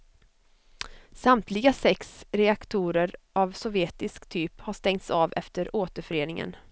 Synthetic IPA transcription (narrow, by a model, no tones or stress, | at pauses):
samt̪ʰlɪɡasɛksɾɛakt̪ʰuːɾəɾʔavsɔvjeːt̪ɪskt̪ʰyːphaʂt̪ɛŋt̪saːvɛ̰ft̪əɾoːt̪əɾfœɾeːnɪŋə̰n